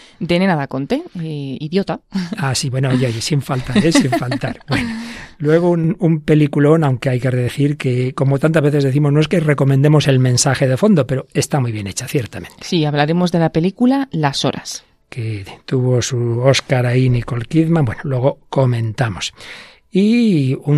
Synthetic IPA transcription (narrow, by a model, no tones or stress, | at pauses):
d̪enenaðako̞nt̪eiðjot̪aasiβwenoaʝajisiɱfalt̪aɾesiɱfalt̪aɾbwe̞nolwe̞ɣ̞ounumpe̞likulo̞nawŋke̞ajkereðeθiɾkeko̞mo̞t̪ant̪azβe̞θeðe̞θimonoe̞skere̞ko̞mẽnd̪e̞mo̞se̞lmẽnsaxe̞ðefo̞nd̪o̞pe̞ɾoe̞st̪amujβ̞je̞ne̞t͡ʃaθje̞ɾt̪amẽ̞nt̪siaβlaɾemo̞zðe̞lape̞likulalaso̞̰ɾʔa̰s | ket̪uβo̞suo̞skaɾainiko̞lkiðmabwe̞nolwe̞ɣoko̞mẽ̞nt̪amo̞s | iu